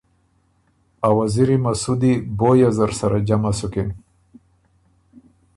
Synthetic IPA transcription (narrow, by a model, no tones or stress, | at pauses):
awaziɾimasud̪ibojazaɾsaɾad͡ʒamasuken